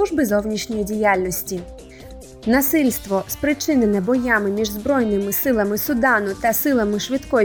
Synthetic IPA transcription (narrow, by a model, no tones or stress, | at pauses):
uʒbɪzɔwnʲiʃnʲɔjidʲijalʲnɔsʲtʲi | nɐsɪlʲst̪ʋɔspɾɪt͡ʃɪnenɛbɔjamɪmʲiʒzbɾɔjnɪmɪsɪlˠɐmɪsʊd̪ɑnʊt̪ɐsɪlˠɐmɪʃʋɪt̪kɔ